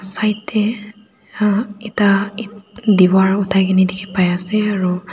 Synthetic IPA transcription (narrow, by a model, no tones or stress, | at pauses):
sajtʰːɛ | itaidiwaɹutʰajɡinidikʰi̥pajasɛaɹu